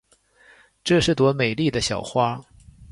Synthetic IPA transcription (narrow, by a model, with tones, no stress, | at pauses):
ʈ͡ʂɤ˥˧ʂɻ̩˥˩t̪wɔ˧˥me˨˩ɪli˥˩d̪ə˩ɕjɑ˨˩ʊxwa˥